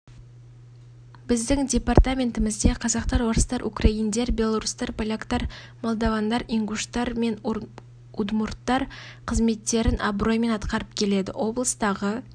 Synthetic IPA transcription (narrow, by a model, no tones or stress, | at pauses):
bɪzd̪ɪŋdʲe̞part̪amʲe̞nt̪ɪmɪzd̪e̞qʰɑzɑq̚t̪ɑɾwo̞ɾəst̪ɑɾʔṵkrɑind̪e̞ɾbʲe̞lˠaɾust̪ɑɾpʰalʲakt̪ɑɾ | molˠd̪ɑvɑnd̪ɑɾiŋɡuʃt̪ɑɾme̞n | ud̪mʊrt̪ːɑɾqʰəzme̞t̪ːe̞ɾɪnʔɑbro̞jme̞nɑt̪qɑɾəp̚kʲʰe̞le̞d̪ɪ̰ʔo̞blˠəst̪ɑʁə